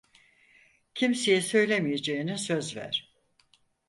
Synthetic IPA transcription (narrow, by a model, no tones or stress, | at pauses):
cʰimsejɛsø̞jlʲemijed͡ʒejinisø̞zvæ̰ɾ̥